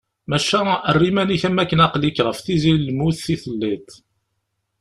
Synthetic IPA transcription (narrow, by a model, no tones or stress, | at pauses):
mæʃæərːimæniçæmːækːənɑqlikːɾˤəfθizillmuθiθəlːit̪ˤ